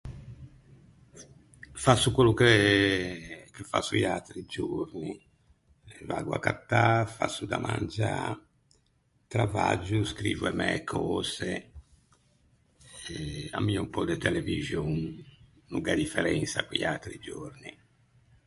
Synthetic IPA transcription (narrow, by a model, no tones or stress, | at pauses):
fasːukwelːuke | kefa̰suiat̪ɾid͡ʒoɾni | vaɡwakat̪ːafasːud̪amʔand͡ʒa | t̪ɾavad͡ʒuskɾiːvuɛmɛkʰɔːzɛ | ɛa̰mːiːaumpɔd̪et̪ɛlɛvizjon | nuŋɡad̪ifɛɾɛnsakwiiat̪ɾid͡ʒoɾni